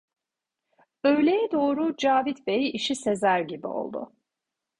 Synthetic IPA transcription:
ø̞jlʲejɛd̪o̞ːɾud͡ʒaːvit̪bejiʃise̞zæɾɟibḭo̞̰lˠd̪ʊ̰

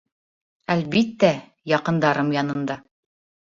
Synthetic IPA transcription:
ælbit̪ːæ | jɑqɤ̆nd̪ɑɾɤmjɑnɤ̆nd̪ɑ

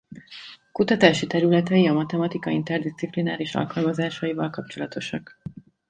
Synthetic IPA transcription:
kut̪ɒt̪aːʃit̪ɛɾylɛt̪ɛjiɒmɒt̪ɛmɒt̪ikɒint̪ɛrd̪ist̪siplinaːɾiʃɒ̰lkɒlmɒzaːʃɒjivɒlkɒpt͡ʃo̞lɒt̪o̞ʃɒk

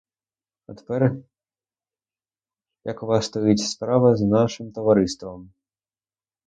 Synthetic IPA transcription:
ɐt̪ɛ̥pɛr | jɐkuvast̪ɔjit͡sʲspɾavɐznaʂɨmt̪ɐvaɾɨst̪vɐm

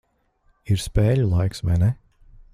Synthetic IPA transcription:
iɾspeːʎʲulˠajksʋɛ̰nɛ

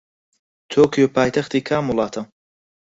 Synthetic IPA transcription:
t̪ʰoːkʰijopʰaːjt̪ʰɐxt̪iːkʰaːmulˠɑːt̪ʰɐm

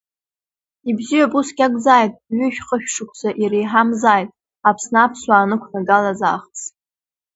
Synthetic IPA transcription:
ibzijapʼusɡʲaɡʼd͡zaːjtʼɥʏʃᶣχəʃᶣʂɨkʷʰt͡saʔirejħamzaːjtʼ | apʰsnaapʰsʷwaːnɨkʷʰnaɡalaza̰ːχt͡sʰʼ

